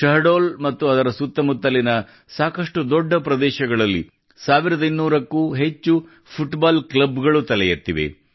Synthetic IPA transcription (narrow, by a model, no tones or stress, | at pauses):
ʃɐɾɖoːlmɐt̪ːuɐd̪ɐɾɐsut̪ːɐmut̪ːɐlinɐ | saːkɐʂʈud̪ɔɖːɐpɾɐd̪ɛːʃɐɡɐɭɐlːḭ | saːʋiɾɐd̪ɐinːuːɾɐkːuːɦe̞t͡ʃːu | pʰuʈbaːlklɐbɡɐɭut̪ɐlɛjɐt̪ːiʋe̞̰